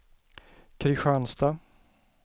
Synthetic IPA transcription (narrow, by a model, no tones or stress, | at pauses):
kʰɾɪɧanst̪a